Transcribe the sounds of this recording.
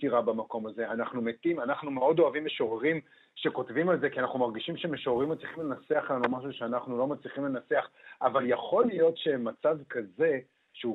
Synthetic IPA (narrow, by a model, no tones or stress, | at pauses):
iʁabamako̞maze̞anaχnumetimanaχnumeo̞do̞avimeʃoʁeʁim | ʃe̞ko̞tvimalze̞kianaχnumaʁɡiʃimʃemeʃoʁeʁimat͡sliχimle̞nat͡seaχlanumaʃ̬uʃeanaχnulo̞mat͡sliχimle̞nat͡se̞aχavaljaχo̞lijo̞tʃe̞mat͡savkaze̞ | ʃeu